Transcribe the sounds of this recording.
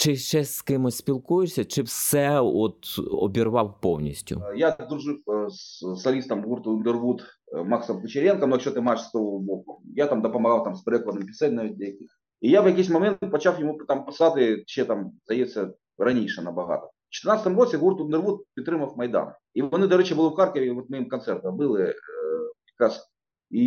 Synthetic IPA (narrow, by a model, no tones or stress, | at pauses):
t͡ʃɪʃt͡ʃɛsʲskɪmosʲpʲilˠkujʊsʲɐt͡ʃɪfsɛot̪ɔ̰bʲirʋɑwpownʲḭsʲtʲʊ̰jad̪ɾʊʐɨfssɐlʲist̪ɐmɣurt̪ʊɪnd̪ɨrʋut̪maksɐmt̪ɨt͡ɕɪɾʲenkɐmnokɕot̪ɨmaɪʂst̪oʋbokʊjat̪amd̪ɐpɐmɐɣawˠt̪amspɾʲɛkʊɐd̪nɨɪmpʲɪ̥sɛtʲnaʋʲit̚ʲd̪lʲɐjɐkʲix | ijavkɐkʲis̬ʲmɐmʲe̞nt̪t̪̚pɐt͡ɕafjɪmupt̪ampɐsat̪ɨt͡ɕet̪amzɐjet̪ʲsʲə | rɐnʲejʂɨnɐbɐɣa̰t̪ə | ft͡ɕɪt̪ɨɪrnat̪st̪əmɣosʲeɣurt̪ʊɪnd̪ɨrvut̪̚pʲɪt̪ɾɨməfmɐjd̪a̰n | ivɐnɨd̪ɐʐɛt͡ɕəbɨlˠɐfxarkəvʲɪvot̪mɐimkɐnt̪sɛrt̪əmbɨlˠɨ | pɾʲɪkas | i